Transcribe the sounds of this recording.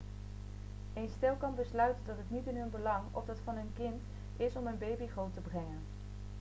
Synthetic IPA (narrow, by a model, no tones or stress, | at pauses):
ejnstɪlˠkɑnbəslœɥtədɑtɦətnitɪnɦɵnbəlɑŋɔ̰vdɑtfɑnɦɵnkɪnt | ʔɪsɔmənbejbiχowtəbrɛŋən